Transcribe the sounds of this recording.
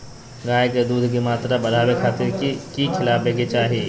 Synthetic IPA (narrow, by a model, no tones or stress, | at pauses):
ɡaːjked̪uːd̪ʱkimaːt̪ɾabɐɽaːwekʰaːt̪ɪɾkikʰɪlaːbeːɡet͡ʃaːɦieː